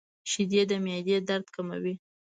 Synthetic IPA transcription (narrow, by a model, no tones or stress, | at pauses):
ʃid̪ed̪əmjɑd̪ed̪aɾd̪kama̰wi